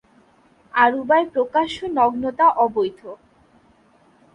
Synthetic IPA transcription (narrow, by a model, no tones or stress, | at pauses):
aɾubaepɾokaʃonɔɡnot̪aʔɔbojt̪ʰo